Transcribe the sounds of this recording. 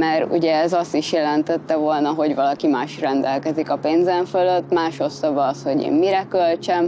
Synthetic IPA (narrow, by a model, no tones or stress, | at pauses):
mɛɾṵɟɛːzɒst̪iʃjɛlɛnt̪ɛt̪ːɛvo̞lnɒɦo̞ɟvɒlɒkimaːʃrɛnd̪ɛlkɛzikɒpeːnzɛɱføløt̪ːmaːʃo̞sːɒvɒsho̞ɟḛːmːiɾɛkølt͡ʃɛm